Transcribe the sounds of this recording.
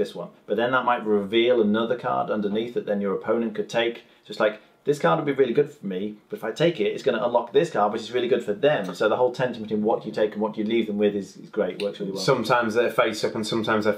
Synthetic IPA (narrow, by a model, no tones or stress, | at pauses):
ðɪswʌ̰̃nb̥ʌt̪̚ðɨ̃nðəʔ̚maɪt̚ɹɪvilˠənʌðə˞kʰɑ̰ɹdʌ̃ndə˞niθɨt̪̚ðɨ̃njə˞əpʰõʊ̃nɨ̃nkʰɨd̚tʰeɪk | ʌtslaɪk̚ | ðɪskʰɑɹd̚wəd̚biɹɪlˠiɡʊd̥fə˞mib̥ʌɾɨ̥faɪtʰeɪkɪtɨtsɡ̥ʌ̃ñəʔə̃nlɑk̚ðɪskʰɑɹd̚wʌt͡ʃɨtsɹɪlˠiɡʊd̥fə˞ðɨ̃msoʊðəɦoʊlˠtʰɛ̃ntm̩tʰwĩnwʌʔt͡ʃəjɨtʰeɪkn̩wʌtt͡ʃɨlivðə̃mwɪðɪzɪzɡɹeɪʔ̚wɜ˞ksɹɪlˠiwʌsʌ̃mtʰãɪ̃mzðəfeɪsʌpə̃nsʌ̃mtʰãɪ̃mzðə